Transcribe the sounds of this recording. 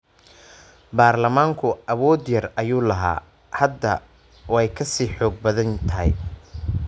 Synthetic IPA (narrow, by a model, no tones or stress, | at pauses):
baːrlɐmaːŋkʰʊɐβɔːd̪jɐrɐjuːlɐɦa̰ː | hɐd̪ːɐ | wɛjkʰɐsiːħɔːɡ̚bɐðɐnt̪ʰɐɦɛ̰j